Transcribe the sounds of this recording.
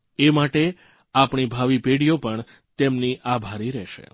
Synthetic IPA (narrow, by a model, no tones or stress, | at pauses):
emaʈe | apɳibʱaʋipeɽijopəɳ | t̪emniʔabʱaɾiɾɛʃḛ